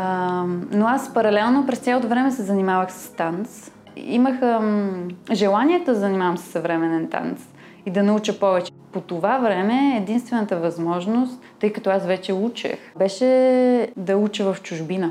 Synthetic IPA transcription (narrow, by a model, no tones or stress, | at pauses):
ənoaspɐɾɐlɛlˠnopɾɛst̪sʲalˠot̪ovɾɛmɛsɛzɐnimavəxsə̥st̪ans | ḭməxə | ʒɛlˠaniɛt̪oɐzɐnimavəmsə̥sːɐvɾɛmɛnɛnt̪a̰ns | id̪ɐnɐut͡ʃəpɔvɛt͡ʃɛ̥pot̪ovavɾɛmɛːd̪inst̪vɛnət̪əvɐzmɔʒnost̪ːɤjkɐt̪ɔasvɛt͡ʃɛut͡ʃɛ̰xbɛʃɛ | d̪ɐut͡ʃəvəft͡ʃuʒbinə